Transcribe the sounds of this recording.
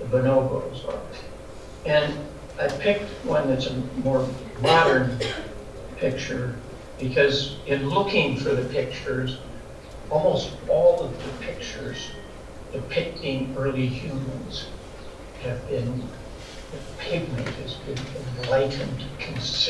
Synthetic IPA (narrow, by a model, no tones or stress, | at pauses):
ðəbənoʊbo̰ʊzə̰˞ | ɨ̃n | aɪpʰɪk̚t̚wʌ̃nðɨtsɨmɔɹ | mɑɾə̃˞n | pʰɪk̚t͡ʃə˞ | b̥ɨkʰʌzɨ̃nlʊkɪ̃ŋfə˞ðɨpʰɪk̚t͡ʃə˞z | ɔlˠmoʊstɔlˠʌvðɨpʰɪk̚t͡ʃə˞z | d̥ɨpʰɪk̚tʰɪ̃ŋɜ˞lˠihjʉmə̃nz̥ | hɨvbɪ̃n | ɨpʰeɪvmɨ̃nt̚hɨzbɨ̃nɨ̃nlaɪʔn̩kʰɨ̃ns